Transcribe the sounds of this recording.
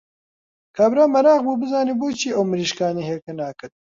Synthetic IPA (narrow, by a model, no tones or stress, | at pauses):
kʰaːbɾaːmɐɾaːɣbuːbɨzaːniːboːt͡ʃʰiːɐwmɨɾiːʃkaːniːɦekenaːkɨt̪̚